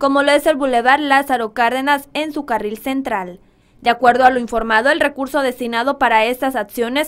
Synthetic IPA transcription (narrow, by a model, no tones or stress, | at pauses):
ko̞mo̞loe̞se̞lβule̞βaɾlasaɾo̞kaɾðe̞nasensukarilse̞nt̪ɾal | d̪eakwe̞ɾðoaloiɱfo̞ɾmað̞o̞e̞lre̞kuɾso̞ð̞e̞st̪inað̞o̞paɾae̞st̪asaksjo̞ne̞s